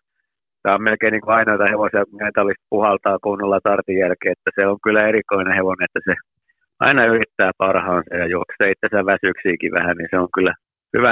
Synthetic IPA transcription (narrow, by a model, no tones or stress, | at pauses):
kæːommelkeiniːŋkuɑinoit̪ɑheʋosiɑkuŋkæint̪olːist̪̚puhɑlt̪ɑːkunːɑlːɑt̪ɑrt̪ijjælkeːet̪ːæseoŋkylːˑæerikoineheʋoneet̪ːæse | ʔɑ̰inɑyrit̪ːæːpɑrhɑːnsɑjɑjuokseːit̪ːesæʋæsyksiːkiʋæ̰hæniseoŋkylːæ | hyʋæ